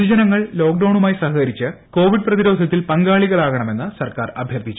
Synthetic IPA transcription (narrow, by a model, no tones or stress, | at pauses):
d͡ʑɐnɐŋːɐɭlo̞ːkɖɐwɳumaːjisɐɦɐkɐɾit͡ɕːɨko̞ːʋiɖ̚prɐðiɾo̞ːd̪ʱɐt̪ːilpɐŋɡaːɭiɣɐɭaːɣɐɳɐme̞nːɨsɐrkaːrɐbʱjɐrt̪ʰit͡ɕːu